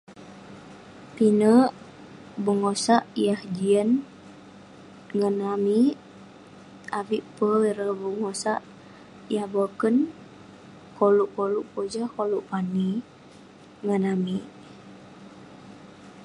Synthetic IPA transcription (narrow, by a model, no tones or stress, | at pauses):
t̪inəʔ | bəŋosaʔijahd͡ʒiən | ŋənamiʔ | ʔaviʔpəiɾəbəŋosaʔ | ijahbokən | koluʔkoluʔpod͡ʒakoluʔpani | ŋənamiʔ